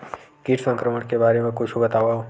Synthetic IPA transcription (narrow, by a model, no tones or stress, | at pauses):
kiʈʰsə̃ŋkɾəməɳkebaːɾemẽkʊt͡ʃʰubɐt̪aːʋao